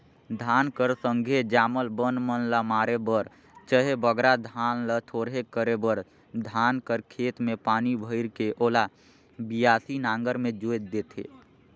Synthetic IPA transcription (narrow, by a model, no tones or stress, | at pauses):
d̪ʱaːnkəɾsəŋɡʱed͡ʒaːməlbənmənlamaːɾebəɾ | t͡ʃəɦebəɡɾad̪ʱaːnlət̪ʰoːɾɦekəɾebəɾ | d̪ʱaːnkəɾkʰeːt̪mẽpaːnibʱəɪɾkeʔoːla | bijaːsinaːŋɡəɾmẽd͡ʒoet̪d̪eːt̪ʰḛː